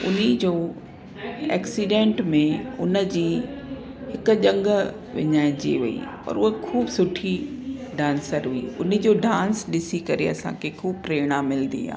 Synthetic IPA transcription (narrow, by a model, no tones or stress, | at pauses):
ʊ̰nid͡ʑoː | ɛ̰ːksiɖẽːɳʈmẽʊnə̆d͡ʑiː | hɪkʊ̆ʄɐ̃ŋɡ | ʋɪ̰ɲaːɪ̃d͡ʑḛʋɐḭ | ɔ̰ːɾʊɦekʰuːbsʊʈʰiɖãːnsəɾɦʊḭːʊn̤əd͡ʑoːɖãːnsɗɪsikɐɾeɐsã̰kʰekʰuːbpɾeːɽ̃amɪlnd̪ḭɦa̰ː